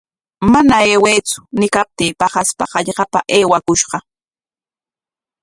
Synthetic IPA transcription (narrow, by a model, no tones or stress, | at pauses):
manaeːwejt͡sʊ̥nɪkap̚t̪iːpɑχaspɑ̰qɑʎɢɑpa̰ʔeːwakʊʃɢɑ